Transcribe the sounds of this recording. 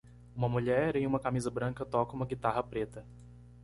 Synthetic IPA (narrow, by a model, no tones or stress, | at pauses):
ũmɐmuʎɛɾẽj̃ũmɐkamizɐbɾɐ̃ŋkɐt̪ɔkɐũmɐɡit̪aɦɐpɾet̪ɐ